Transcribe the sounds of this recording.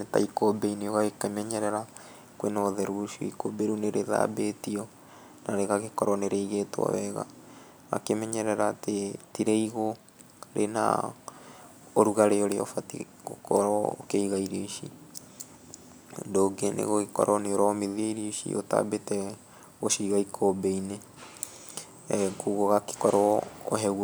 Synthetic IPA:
neta̰ikobeineoɣaɣekemɛɲɛɾɛɾa | kwenɔðɛɾuʃuḭikobeɾuneɾeða̰ːbetiɔ | naɾeɣaɣekɔɾɔneɾeiɣetwɔ̰wɛɣa̰ | a̰kemɛɲɛɾɛɾaːtetiɾeiɣo | ɾena̰ | oɾuɣaɾeoɾeɔ̰fati | ko̰kɔɾɔo̰keiɣaiɾeʃḭ | ndoːɡenḛɣoɣekɔ̰ɾɔneoɾɔmiðiɾiʃḭʔota̰betɛ | ɣoʃiɣaikʰobeine | kuɣoɣake̥kɔɾɔːɦɛɣw

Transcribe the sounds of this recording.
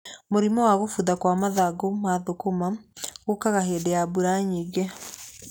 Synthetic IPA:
moɾimɔwaɣofuðakwamaðaɡomaðokomaɣokaɣaɦedejabuɾaɲiɡɛ

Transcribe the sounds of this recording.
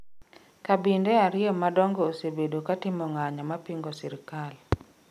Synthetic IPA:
kabindeaɾɪɔmadɔŋɡɔosebedokatɪmɔŋaɲamapiŋɡɔsiɾɪkal

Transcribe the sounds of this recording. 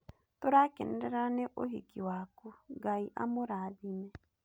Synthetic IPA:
t̪oɾakɛ̰ndɛɾanɛʔoɦḭkiwakuɡaiʔa̰moɾadinɛ

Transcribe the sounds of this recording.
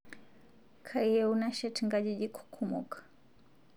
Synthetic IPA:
kʰaiɛunaʃɛtʰɛŋɡaʄiʄikʰu̥kʰumṵkʰḁ

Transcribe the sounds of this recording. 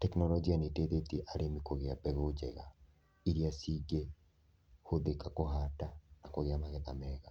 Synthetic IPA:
tɛknɔlɔd͡ʒianeteðet̪ieʔaɾemikoɣeabɛɣod͡ʒɛ̰ɣa | iɾiasiɡe | hoðekakoɦatanakoɣeamaɣɛðamɛɣa

